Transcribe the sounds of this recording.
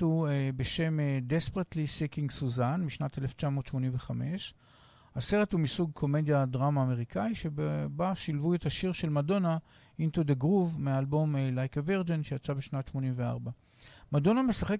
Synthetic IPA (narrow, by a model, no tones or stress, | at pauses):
uebeʃe̞medespʁet̪lisikiŋɡsuzanmiʃnate̞left͡ʃamo̞ːtʃmo̞nimve̞χame̞ʃ | ase̞ʁe̞thumisuɡ̚kʰo̞me̞djadʁamaːme̞ʁikʰaiʃe̞baʃilvuethaʃiʁʃe̞lmado̞na | int̪od̪eɡʁuvmealbo̞mlajkeveʁd͡ʒenʃejat͡sabeʃnatʃmo̞nimvea̰ʁba | mado̞name̞saχe̞k